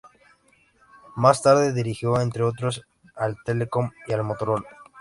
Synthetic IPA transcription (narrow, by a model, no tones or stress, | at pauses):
mast̪aɾðeðiɾixjo̞e̞nt̪ɾeot̪ɾo̞s | alt̪eleko̞mialmo̞t̪oɾol